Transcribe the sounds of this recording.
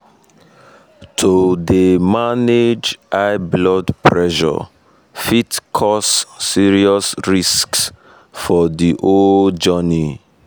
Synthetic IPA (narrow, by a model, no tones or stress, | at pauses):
tʰodemaned͡ʒaɪblɔdpɹɛʃɔ̰ | fitkʰɔsːiɹiɔsɹisks | fɔdiʔod͡ʒəni